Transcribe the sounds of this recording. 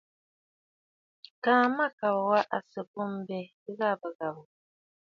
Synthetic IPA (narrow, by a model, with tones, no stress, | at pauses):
kaː˨ma˦ka˨wwa˦ʔa˨sə˨pu˦m˦bɛ˨ | i˦ɣa˦˨bə˨ɡa˨bu˨